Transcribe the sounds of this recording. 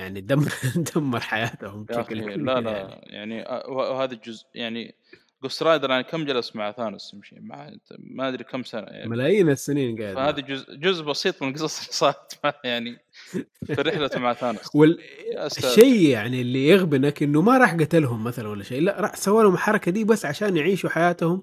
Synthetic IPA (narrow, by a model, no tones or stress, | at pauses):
jaʕnid̪amːɾd̪amːɑɾˤħajaːt̪hʊmbʃaklkːlalaja̰ʕniʔwawhaːðad͡ʒʊzjaʕnḭ | ɡʊst̪ɾˤɑːjd̪ɑɾˤjaʕnikamːd͡ʒalasmaʕaθaːnɪskamʃḭːma̰ʕt̪maʔad̪ɾikamsana̰ja̰ʕmalaːjiːnasːɪniːnɡaːd̪haːðad͡ʒʊzd͡ʒʊzʔbɑsiːt̪ˤmɪnlɡɨsˤɑsˤlisˤɑːɾɪt̪maʕjaʕni | fiɾɪħlamaʕθaːnɪswɪlʔasʃajjaʕnilːijɪɣbɪnakʔɪnːumaɾˤɑːħɡat̪alɦʊmːaθalanwalːaʃeːlaʔɾˤɑːħsawːaːlhʊmħɑɾˤɑkad̪iːbasːʕaʃaːnjɪʕiːʃuħajaːt̪hʊm